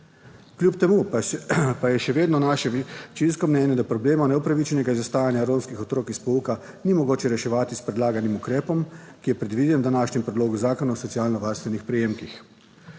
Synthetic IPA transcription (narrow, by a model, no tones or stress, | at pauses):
kljupt̪ɛmu | pajɛʃɛʋeːd̪nɔnaʃɛt͡ʃinskɔmnɛːnjɛd̪apɾɔbleːmanɛupɾaʋit͡ʃɛnɛɡaizast̪aːjanjaɾoːmskixɔt̪ɾoːkispouka | nimɔɡoːt͡ʃɛɾɛʃɛʋaːt̪ispɾɛd̪laːɡanimukɾɛːpɔmkijɛpɾɛd̪ʋid̪ɛnd̪anaːʃnɛmpɾɛd̪loːɡuzaːkɔnaɔsɔt̪siaːlnɔʋaːɾst̪ʋɛnixpɾɛjeːmkix